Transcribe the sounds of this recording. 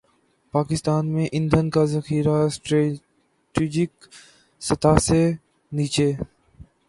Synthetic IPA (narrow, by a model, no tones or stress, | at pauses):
paːkɪst̪aːnmẽʔɪ̃nd̪ʱənkazɐxiːɾasʈɾe | ʈiːd͡ʒɪk | sɐt̪ʰase | niːt͡ʃeː